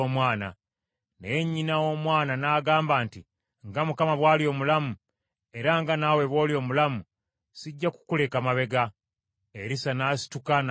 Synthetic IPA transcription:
omwaːna̰ | neɲːinawo̞mwaːnanaːɡaːmbaːnti | ŋɡamukamaβwaːlio̞ːmulamu | e̞ɾaŋɡanawe̞βwo̞ːljo̞ːmulamu | siɟːaku̥kule̞kamaβe̞ɡa | eɾisanaːsi̥tukan

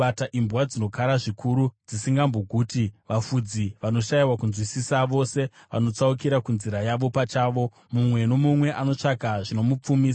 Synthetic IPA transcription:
ataʔimbwad͡zino̞kaɾaʐikʰuɾud͡zisiŋɡamboɡʱutiʋafud͡ziʋano̞ʃaiwakunzwisisaʋo̞se̞ʋa̰no̞t͡saukiɾakunziɾajaʋo̞pat͡ʃaːʋo̞ | mumwe̞no̞mumwe̞ʔano̞t͡ʂakaʐino̞mup͡fumiːsa

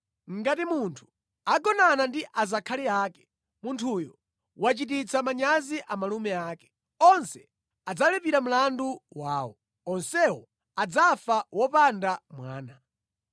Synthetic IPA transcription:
ŋ̩ɡatimuntʰu̥ | aɡɔnanandiʔazakʰaliaːkɛ̥ | muntʰujɔ | wat͡ʃitit͡sʰamaɲaziʔamalumɛaːkɛ̥ | ɔnsɛ | ad͡zalɛpiɾam̩landuwaːwɔ̰ | ɔnsɛwɔ | ad͡zafawɔpandamwa̰ːna

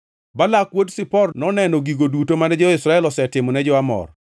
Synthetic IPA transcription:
balakwodsɪpɔrnɔnɛnɔɡiɡodutomanɛd͡ʒɔɪsɾaɛlɔsɛtɪmɔnɛd͡ʒɔamɔ̰r

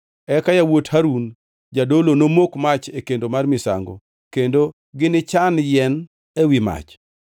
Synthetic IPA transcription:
ɛkajawothaɾun | d͡ʒadolonomokmat͡ʃekendomarmɪsa̰ŋɡɔ̰ | kendo | ɡɪnɪt͡ʃanjɛn | ewima̰t͡ʃ

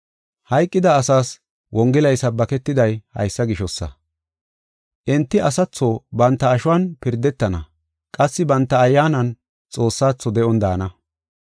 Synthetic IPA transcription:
hɐjkʼːɪd̪ɐːsaːs | wɔŋɡɪlɐjsɐbɐkɛt̪ːɪd̪ɐjhɐ̰jsːɐɡɪʃɔsːɐ̰ | ʔɛnt̪ːɪʔɐsɐt͡sːoːbɐnt̪ːɐːʃʊwanpɪɾd̪ɛt̪ːɐnɐ̰ | kʼɐsːɪbɐnt̪ːɐːjːaːnɐn | t͡sʼo̞ːsːaːt͡sːɔd̪ɛʔɔnd̪aːnɐ

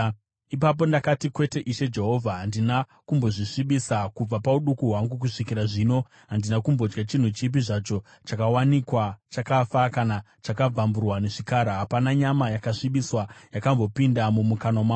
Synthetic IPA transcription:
ipap̬o̞ndakatikwe̞te̞ʔiʃe̞d͡ʒe̞ɦo̞vʱaɦandina | kumbo̞ʐiʂiɓisakub͡vapauɗukuɦwaŋɡuk̬uʂikiɾaʐiːno̞ | ɦandinakumbo̞d͡ʒɡat͡ʃin̤ut͡ʃip̬iʐat͡ʃo̞ | t͡ʃakawanikwat͡ʃakafakana | t͡ʃakab͡vamburwaneʐikaɾaɦapanaɲamajakaʂiɓiswajakambo̞pindamumukanomwa

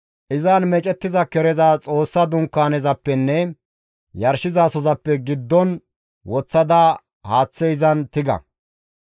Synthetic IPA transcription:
ʔɪzanmɛt͡ʃʼɛt̪ːɪzɐkɛɾɛzat͡sʼo̞ːsːɐd̪ʊŋkːaːnɛzɐpːɛnːɛ | jɐɾʃɪzaːsɔzɐpːɛɡɪd̪ːɔn | wɔt͡sːɐd̪a | haːt͡sːɛjzɐnt̪ɪɡɐ̰

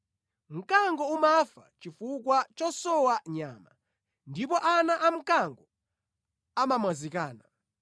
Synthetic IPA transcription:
m̩kaŋɡɔumafa̰t͡ʃifukwat͡ʃɔsɔwaɲaːma̰ | ndipɔʔanaʔam̩kaŋɡɔ | amamwazikaːna

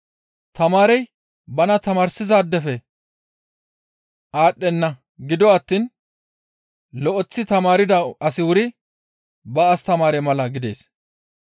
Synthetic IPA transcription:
t̪ɐmaːɾɛj | bɐnɐt̪ɐmaːɾsɪzaːd̪ːɛfɛ | aːɗːɛnːɐ | ɡɪd̪ɔɐt̪ːiːn | lɔʔɔt͡sːɪt̪ɐmaːɾɪd̪ɐɐsɪwʊɾɪ | bɐːst̪ɐmaːɾɛmɐlɐɡɪd̪e̞̰ːs

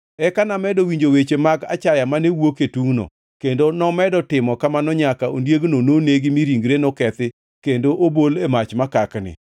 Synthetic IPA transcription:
ɛkanamɛdɔwiɲd͡ʒowet͡ʃemaɡa̰t͡ʃajamanewoketuŋno̰ | kendonɔmɛdɔtɪmɔkamanɔɲakao̰ndjeɡnononeɡɪmiɾiŋɡɾenɔkɛt̪ɪ | kendoʔobolemat͡ʃmakaknɪ̰

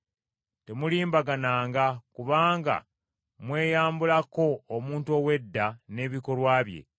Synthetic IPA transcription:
te̞muliːmbaɡanaːŋɡakuβaːŋɡa̰ | mwe̞ːjaːmbulako̞ːmuːntuo̞we̞dːane̞ːβiko̞lwaːβje̞̰

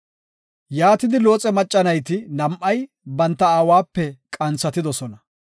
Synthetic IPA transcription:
jaːt̪ɪd̪ɪlo̞ːt͡sʼɛmɐt͡ʃʼːɐnɐjt̪ɪnɐmʔɐj | bɐnt̪ːɐaːwaːpːɛkʼɐnt͡sːɐt̪ɪd̪ɔsɔnɐ

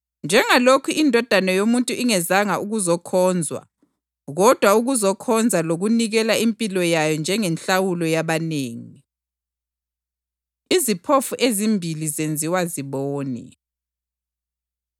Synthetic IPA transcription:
nd͡ʒʱɛŋalokʰuʔindʱɔd̥ʱanɛjomuntʼuʔiŋɛzaŋaʔuɣuzɔkʰɔnd͡zʱwa̰ | ɣɔd̥ʱwauɣuzɔkʰɔnd͡zʱaloɣuniɣɛlaimpʼilɔjajɔnd͡ʒʱɛŋɛnɬawulɔjaβaneːŋii | izipʰofuʔezimbʱilizend͡zʱiwaziβɔːnɛ̰

